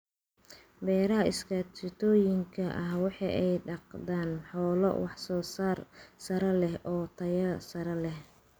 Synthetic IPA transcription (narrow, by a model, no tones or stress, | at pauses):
bɛːɾɐɦɐɪskʰɐt͡ʃɪt̪ʰɔːjɪŋkʰɐʔɐɦwɑħɑ̰ːʔɛjɖɑqd̪aːnħɔːlɔ̰wɑħsɔːsaːrsɐɾɐlɛhʔɔːt̪ʰɐjɐsɐɾɐlɛh